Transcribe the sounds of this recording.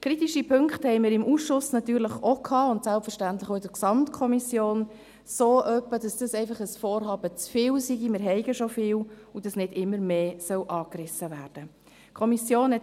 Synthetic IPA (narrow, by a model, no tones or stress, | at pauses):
kʰɾitiʃipʰʏŋkχthɛɪmɪɾɪmʔuːsʃʊsnɑt̪yːɾləχokʰɑːʊntsælpfəɾʃtæntləχoɪdəɾksɑmtkʰɔmisjoːn | soːʔœpːəd̥ɑsd̥əsɛɪfɑχəsfoːɾhɑːb̥ət͡sfɪːwsiɡimɪːɾɦɛɪɡəʃofɪːwud̥ɑsnɪdɪmːəɾmeːsœwʔɑːkrɪsəvæːrd̥ə | kʰɔmisjoːnɛ